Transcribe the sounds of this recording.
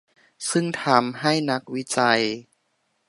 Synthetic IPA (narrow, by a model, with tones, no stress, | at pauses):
sɯ˥˩ŋt̪ʰaː˧mɦa˥˩jna˦˥k̚wi˦˥t͡ɕa˧j